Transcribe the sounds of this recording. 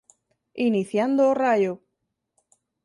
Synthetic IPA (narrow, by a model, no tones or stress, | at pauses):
iniθjand̪oːrajo